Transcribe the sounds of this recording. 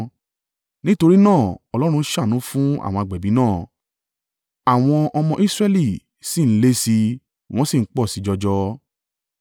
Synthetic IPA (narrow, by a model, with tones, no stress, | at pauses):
nĩ˦to˧ɾi˦nãː˦˨ɔ˨lɔ˦ɾ̃ũ˧˦ʃa˦˨nũ˨˦fũ˦a̰˦˨w̃ɔ̃˧a˧˨ɡ͡bɛ˨bĩ˨˦nãː˦˨ | a˨w̃ɔ̃˧ʔɔ˧mɔ̃˧ʔi˦sɾɛ˦li˦˨ | si˦˨n̩˦le˦si˧ | w̃ɔ̃˦si˦˨ŋ̩˦k͡pɔ˦˨si˨˦d͡ʒɔ˧d͡ʒɔ˧